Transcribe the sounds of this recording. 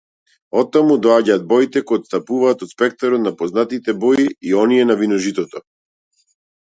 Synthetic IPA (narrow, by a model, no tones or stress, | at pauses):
ɔt̪ːamud̪ɔaɟaːd̪̚bɔjit̪ɛkɔjɔt̪st̪apuvaːt̪ɔt̪spɛk̚t̪aɾɔt̪napɔznat̪it̪ɛbɔiiɔnijɛnavinɔʒit̪ɔt̪ɔ